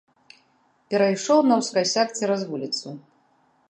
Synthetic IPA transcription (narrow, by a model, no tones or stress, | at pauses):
pʲɛɾajʂɔwnɐwskasʲakt͡sʲɛɾazvulʲit̪su